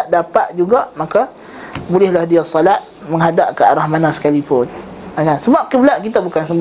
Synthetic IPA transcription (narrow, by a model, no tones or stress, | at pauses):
ʔdapaʔ̪̚d͡ʒuɡaʔmaka | bulɛhlahdiasɔlat̪̚ | məŋɦadaʔ̚kəaɾahmanasə̥kalipʊnakansəbap̚kəblaʔkit̪abukansəmb